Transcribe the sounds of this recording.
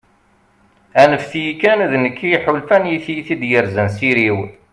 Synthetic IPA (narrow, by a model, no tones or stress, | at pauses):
ænəfθijikːænðnəkːiħulfænjiθjiθid̪jəɾzænsiɾiw